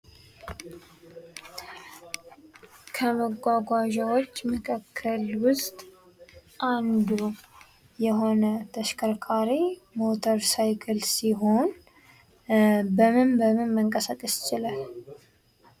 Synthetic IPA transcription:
kʰəməɡʷaɡʷaʒawo̞t͡ʃːməkʰʼəkʰːəlwʊst̪ʼ | ʔand̪u | jɛɦo̞nət̪ʰəʃkʰəɾkʰaɾimo̞t̪ʰəɾsajkʰəlsiɦo̞n | bəmɨnbəmɨnməŋkʼəsakʼəst͡ʃɪlə

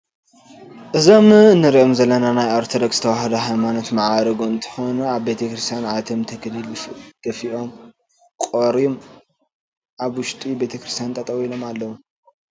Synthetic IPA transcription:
ʔɨzo̞mɨnːɨɾiʔomzɐlːɐnanajoɾt̪ʰod̪ɐksz̥ɨt̪ʰɐwahɐd̪ɐɦajmanot̪maʕaɾɐɡoɨnt̪ʰɨ̥xonuaβbe̞t̪ʰɐkɾist̪ʰjanʕat̪ʰɐmt̪ʰɐklɨld̪̥ɐfiʔo̞m | kʼoɾiom | ʔaβwʊʃt̪ʼibe̞t̪ʰɐkɾist̪ʰjant̪ʼɐt̪ʼɐwilo̞malːɐwu

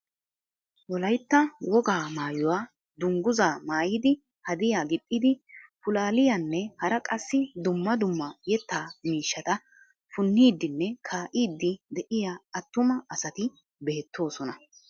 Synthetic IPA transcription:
wɔlɐjt̪ːɐwɔɡaːmaːjɔwaː | d̪ʊŋɡʊzaːmaːjɪd̪ɪ | hɐd̪ɪjaːɡɪt̪ʼːɪd̪ɪpʊlaːlɪjanːɛhɐɾɐkʼɐsːɪd̪ʊmːɐd̪ʊmːɐjɛt̪ːaːmiːʃːɐt̪ɐ | fʊnːiːd̪ːɪnːɛkʰaːʔiːd̪ːɪd̪ɛʔɪjaːɐt̪ːʊmɐːsɐt̪ɪ | beːt̪ːo̞ːsɔnɐ

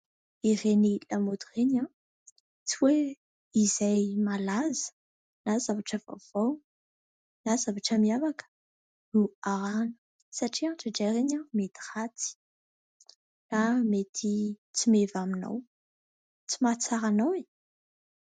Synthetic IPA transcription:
irenilamod̪ureɲa | t͡siwe | izajmalazə̥ | nazavaʈ͡ʂəva̰v̥aw | nazavaʈ͡ʂəmiavakə̥ | nuaɾanə̥ | saʈ͡ʂiaʈ͡ʂəɖ͡ʐeɾeɲamet̪i̥hat̪i̥ | namet̪ʰit͡simevamina̰w | t͡simat͡saɾanawe

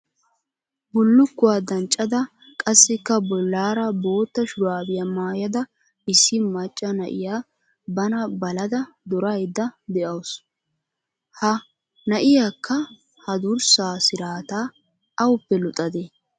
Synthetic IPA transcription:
bʊlːʊkːʊwaːd̪ɐnt͡ʃʼːɐd̪ɐ | kʼɐsːɪkːɐbɔlːaːɾɐbo̞ːt̪ːɐʃʊɾaːbɪjɐmaːjɐd̪ɐ | ɪsːɪmɐt͡ʃʼːɐnɐ̰ʔɪ̰jaː | bɐnɐbɐlɐd̪ɐ | d̪ɔɾɐjd̪ːɐd̪ɛʔɐws | hɐ | nɐʔɪjaːkʰːɐ | hɐd̪ʊɾsaːsɪɾaːt̪aː | ɐwʊpːɛlɔt̪ʼɐd̪e

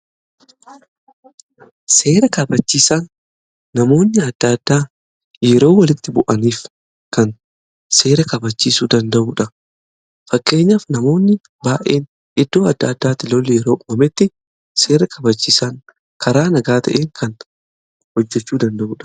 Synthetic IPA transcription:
se̞ːɾɐkɐbɐt͡ʃːiːsaːnː | ɐmo̞ːnːɪɐd̪̥ːad̪ːaː | jɛɾo̞ːwɐlɪt̪ːɪbʊʔɐniːf | kɐn | se̞ːɾɐkɐbɐt͡ʃːiːsuːd̪ɐnd̪ɐʔuːᶑɐ | fɐkːe̞ːɲːaːfnɐmo̞ːnːɪ | baːʔe̞ːn | ʔɪd̪ːo̞ːɐd̪ːɐːd̪ːaːt̪ɪlɔlːjɛɾo̞ːʔʊmɐmɛt̪ːɪ | se̞ːɾɐkɐbɐt͡ʃːiːsaːŋ | kʰɐɾaːnɐɡaːt̪ʰɐʔeːŋkʰɐn | hɔd͡ʒːɛt͡ʃːuːd̪ɐnd̪ɐʔuːᶑɐ̥

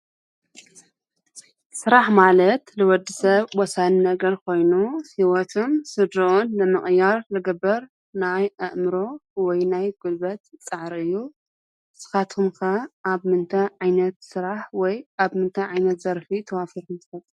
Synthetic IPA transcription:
sɨɾaħmalɐt̪lɨwɔd̪ːisɐβwɔsannɐɡɐɾkʰo̞jnuhiwɔt̪ʰumsɨd̪ɾuʔunlɨmɨχʼjaɾlɨɡɐbːɐɾ | najʔɐʔmɨɾo̞wɔjnajɡ̥ulbɐt̪t͡sʼɨʕɾɨjːu | sɨ̥xat̪ʰɨmkʰɐʔaβmɨnt̪ʰɐʕajnɐt̪sɨɾaħwɔjaβmɨnt̪ʰɐjʕajnɐt̪z̥ɐɾfit̪ʰɐwafiɾkɨmt̪ʰɨ̥fɐt̪ʼː

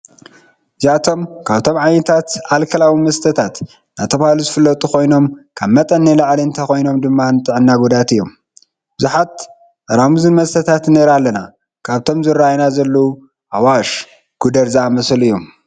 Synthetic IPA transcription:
ʔɨziat̪ʰo̞mkʰaβt̪ʰo̞mʕajnɐt̪ʰat̪ʕalkʰɐlawimɐst̪ʰɐt̪ʰat̪ | nat̪ʰɐβahluzɨfɨlːɐt̪ʼukʰo̞jno̞mkʰaβmɐt̪ʼɐnːilaʕliɨnt̪ʰɐxo̞jno̞md̪ɨmːanɨt̪ʼɨʕɨnːaɡud̪at̪ɨjːo̞m | b̥ɨzuħat̪ | ʔaɾamuzɨnmɐst̪ʰɐt̪ʰat̪neɾalːɐna | kʰaβt̪ʰo̞mzɨrːajnazɐlːɐwu | ʔawaʃ | ɡ̥ud̪ɐɾzaamɐslɨjːom

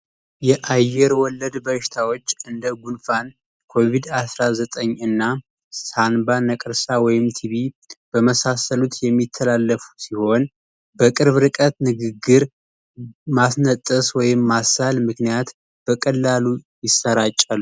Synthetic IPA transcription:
jɛʔajːɛɾwɔlːəd̪bəʃɪ̥t̪ʰawot͡ʃːɨnd̪əɡunfan | kʰo̞vid̪asɾazət̪ʼəɲːɨnːa | sanbanəkʼɨɾsawɔjɪmt̪ʰiβi | b̥əməsasəlut̪jɛmːit̪ʰːəlalːəfu̥siho̞n | bəkʼɨɾβɾɨkʼət̪nɨɡɨɡːɨɾ | masnət̪ʼːəswɔjɪmːasalmɨknijat̪ | b̥əkʼəlːalujɪsːəɾat͡ʃʼːalːu

